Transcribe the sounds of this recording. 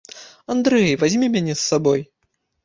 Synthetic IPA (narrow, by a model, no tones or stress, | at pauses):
and̪ɾɛjvazʲmʲimʲanʲɛsːabɔj